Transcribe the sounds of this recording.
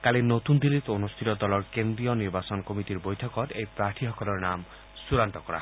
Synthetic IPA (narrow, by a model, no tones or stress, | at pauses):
kalenot̪und̪ilːit̪onust̪ʰit̪ɔd̪ɔlɔɾkend̪ɾijɔniɾbasɔnɔkomit̪iɾbojt̪ʰɔkɔɾejpɾaʈʰiɦɔkɔlɔɾnam | suɾanʈɔkɔɾa̰